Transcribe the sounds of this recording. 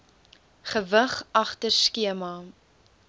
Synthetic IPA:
χəvəχʔɐχtərskiəmɐ

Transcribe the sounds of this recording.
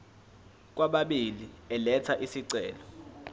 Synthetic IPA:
k̬waɓaɓiliɛlɛt͡sʰaʔisiǀɛːlɔ

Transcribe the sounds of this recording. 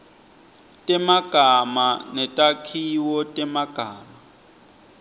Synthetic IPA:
tʼɛmaɡ̥ʱamanɛtʼakʰiwɔtʼɛmaɡ̥ʱaːma

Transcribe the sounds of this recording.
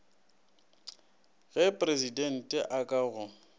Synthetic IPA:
ɣɛpʼrezidɛn̩tʼɛʔakʼaɣʊ

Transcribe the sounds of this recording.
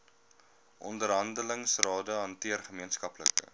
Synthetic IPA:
ʔɔndəɾɦɐndələŋsrɑːdəɦɐntiərχəmiənskɐplə̰kə̰

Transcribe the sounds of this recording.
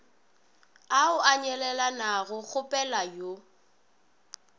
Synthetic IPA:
aʊʔaɲɛlɛlanaɣʊɣʊpʼɛlajo

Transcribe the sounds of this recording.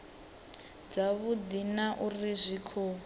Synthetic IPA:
d͡zaβud̪inaʔurizʷikʰuː

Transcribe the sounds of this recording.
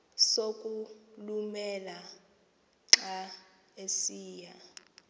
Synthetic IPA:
sokʼulumɛla | ǁa | esiːja

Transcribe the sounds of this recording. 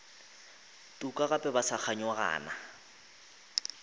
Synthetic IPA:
tʼukʼaɣapʼɛbasak͡xʰaɲaɣa̰ːna

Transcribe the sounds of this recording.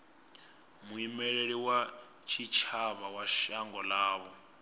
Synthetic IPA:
muimɛɺeɺiwa | t͡ʃʰit͡ʃʰaβawaʃaŋɡɔlaːβɔ

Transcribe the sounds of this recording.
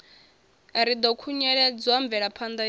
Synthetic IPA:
aɾid̪ɔkʰuɲɛɺɛd͡zwambvɛɺapʰand̪a

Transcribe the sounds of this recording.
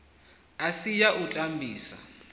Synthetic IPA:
asijaʔutʼambʱiːsa̰

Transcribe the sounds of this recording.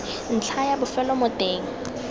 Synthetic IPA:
n̩t͡ɬʰajabʊfɛlɔmɔd̥eːŋ̩

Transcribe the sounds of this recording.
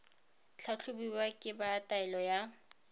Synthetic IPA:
t͡ɬʰat͡ɬʰʊbiwakʼɪbaːtʼaɛlɔja

